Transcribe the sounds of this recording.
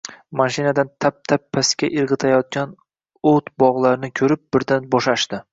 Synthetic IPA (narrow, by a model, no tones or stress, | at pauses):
maʃɪnad̪ant̪ʰap̚t̪ʰapʰːasɪ̥kʲaʔɪɾʁɨt̪ʰajɒt̪̚kʲan | ot̪bɒʁlˠaɾɪnɪkʲʰɵɾɪp̚bɪɾd̪anbɒʃaʃd̪ɪ